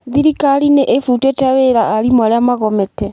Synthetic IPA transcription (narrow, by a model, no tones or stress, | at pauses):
ðiɾikaɾineʔefutetaweɾaːɾimaɾeamaɣɔmɛtɛ